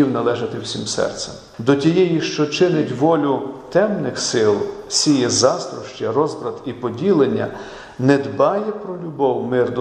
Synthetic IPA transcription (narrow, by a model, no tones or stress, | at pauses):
iwnɐlˠɛʒɐt̪ɪwsʲimsɛ̰rt̪sɛm | d̪ɔtʲijɛjiʃt͡ʃɔt͡ʃɪnɪtʲʋɔlʲʊt̪ɛmnɪxsɪlˠsʲijɛzɑst̪ɾɔʃt͡ʃɐrɔzbɾɐd̪ipɔdʲilˠenʲːɐ | nɛd̪bɑjɛpɾɔlʲʊbɔwmɪrd̪